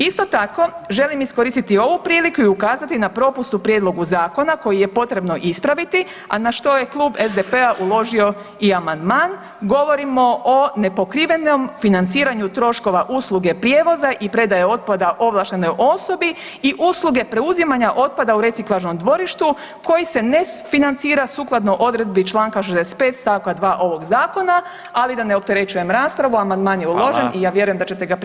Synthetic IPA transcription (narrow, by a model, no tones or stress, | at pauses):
ist̪o̞t̪ako̞ʒe̞limisko̞ɾist̪it̪io̞ʋupɾiːlikuiukaːzat̪inapɾo̞pust̪upɾjed̪lˠo̞ɡuzaːko̞nako̞jije̞po̞t̪ɾe̞bno̞ʔispɾaʋit̪i | a̰naʃt̪o̞je̞klˠuːbezd̪epe̞aʔulˠo̞ʒio̞ | iamand̪maːn | ɡo̞ʋo̞ɾimo̞ʔone̞po̞kɾiʋe̞no̞mfinant̪siːɾaɲut̪ɾo̞ʃko̞ʋaʔuslˠuɡe̞pɾʲjeːʋo̞zaʔipɾe̞d̪ajeo̞t̪̚pad̪aʔo̞ʋlˠaʃt̪eno̞jʔo̞so̞bi | iʔuːslˠuɡe̞pɾe̞uzimaɲaʔo̞t̪̚pad̪auɾe̞t̪siklˠaʒno̞md̪ʋo̞ɾiʃt̪u | ko̞jise̞nefinant̪siːɾasuːklˠad̪noʔo̞d̪ɾe̞d̪̚bit͡ʃlˠaːŋkaʃ̬ezd̪ese̥t̪pe̞ːt̪st̪aːʋkad̪ʋaːʔo̞ʋo̞ɡzaːko̞na | alid̪ane̞o̞p̚t̪e̞ɾe̞t͡ʃuje̞mɾaːspɾaʋuamand̪maːnjeulˠo̞ʒenijaːʋje̞ɾujemd̪at͡ɕe̞t̪e̞ɡap